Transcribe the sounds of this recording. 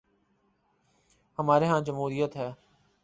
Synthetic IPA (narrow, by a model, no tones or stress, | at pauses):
həmaːɾeːɦãːd͡ʒəmɦuːɾijət̪ɦɛː